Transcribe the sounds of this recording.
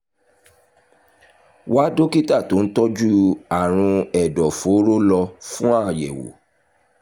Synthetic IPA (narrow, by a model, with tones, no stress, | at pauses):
wa˦do˦ki˦ta˦˨to˨˦n̩˦tɔ˦d͡ʒu˦a˦˨ɾ̃ũ˧ɛ˨dɔ˨fo˨˦ɾo˦lɔ˧fũ˦a˦˨jɛ̰˨wo̰˨˦